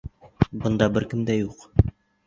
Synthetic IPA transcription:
bɤ̆nd̪ɑbɘɾkɘ̆md̪æjuq

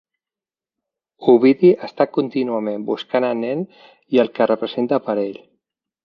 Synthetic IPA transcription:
uβiðiʔəst̪akunt̪inuəmembuskanənɛn | iəlˠkərəpɾəzent̪əpəɾeʎ

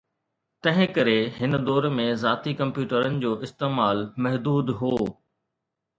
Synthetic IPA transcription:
t̪ɐ̃ɦɪ̃kɐɾeɦɪnə̆d̪ɔːɾmẽzaːt̪ikɐ̃mpjuːʈəɾənɪ̆d͡ʑoːʔɪst̪eːmaːlmɐɦd̪uːd̪ɦoː

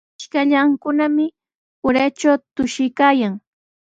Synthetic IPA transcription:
ʃkaʎaŋkʊnamɪ | ʊɾat͡ʃawt̪ʊʃɪjkaːjaŋ

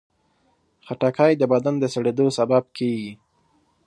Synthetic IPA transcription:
xaʈakʰɑjd̪əbad̪and̪əsaɽed̪osabab̚kʰeɡi

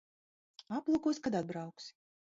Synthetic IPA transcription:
aplˠukɔsʲkad̪ad̪̚bɾawksʲ

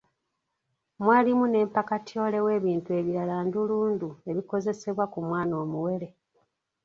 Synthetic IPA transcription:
mwaːlimune̞ːmpakatio̞ːle̞we̞ːβiːntue̞βiɾalaːnduluːndue̞βiko̞ze̞se̞βwakumwaːno̞ːmuwe̞le̞

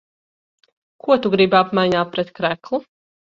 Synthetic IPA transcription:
kʰuɔt̪uɡɾibapmajɲaːpɾɛt̪kɾæklˠu

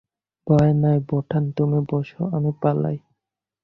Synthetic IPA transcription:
bɔenajbɔʈʰant̪omebɔʃoamipala̰j

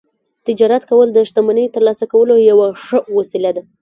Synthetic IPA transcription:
t̪ɪd͡ʒɑɾat̪kawəld̪əʃt̪amanəjt̪əɾlɑsakawəlojawaʂəwasilad̪a

